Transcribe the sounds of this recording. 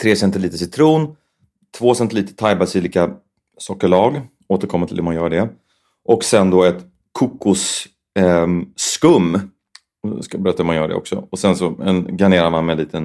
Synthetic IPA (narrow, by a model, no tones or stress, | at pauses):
t̪ʰɾeːsɛnt̪ɪliːt̪əsɪt̪ʰɾuːn | t̪ʰvoːsɛnt̪ɪliːt̪ə̥t̪ʰajbad̪siliːka | sɔːkəɭɑːɡ | oːt̪əɾkʰɔmːat̪ʰɪ̰lhʉmanjœːɖɛ | ʔɔksɛnd̪ɔːɛt̪ | kʰʊkːʊs | kɵmː | skabəɾɛt̪ahʉmanjœːɖɛ̰ɔ̰ksɔ̰ɔsɛnsɔɛnɡaneːɾaɾmanmɛnliːt̪ʰən